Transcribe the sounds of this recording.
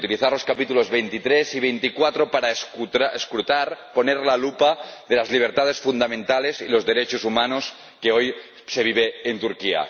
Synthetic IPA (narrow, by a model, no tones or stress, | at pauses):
t̪iliθaɾlo̞skapit̪ulozβejnt̪it̪ɾeziβ̞ejnt̪ikwat̪ɾopaɾasuaeskɾut̪aɾponeɾlalupaðelazliβ̞eɾt̪aðesfund̪amẽnt̪alesilo̞zðeɾet͡ʃosumanos | keoj | se̞βiβ̞eːnt̪uɾkia̰